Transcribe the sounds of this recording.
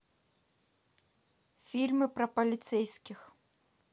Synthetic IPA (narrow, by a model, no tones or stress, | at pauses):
fʲilʲmɨpɾɐpɐlʲit̪sɛjskʲix